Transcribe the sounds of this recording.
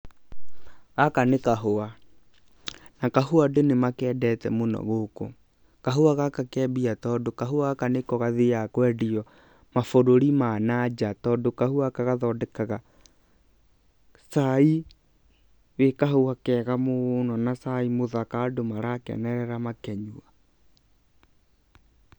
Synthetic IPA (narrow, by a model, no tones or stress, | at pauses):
ɣakanekaɦoa | nakaɦoadenemakɛːdɛtɛmonɔ̰ɣoko̰ | kaɦoaɣakakɛːbiatɔːdokaɦoaɣakanekɔɣaðejakwɛdiɔ | mafoɾoɾimanad͡ʒatɔːdokahuakaɣaðɔdɛkaɣa | sai | wekaɦoakɛɣamonɔnasaimoðakadomaɾakɛ̰nɛɾɛɾamakɛɲua